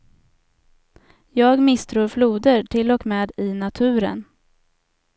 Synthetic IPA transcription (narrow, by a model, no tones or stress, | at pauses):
jɑːɡmɪst̪ʰɾuːɾfluːd̪əɾʈʰɪlɔkmeːd̪ɪnat̪ʰʉ̟ːɾə̰n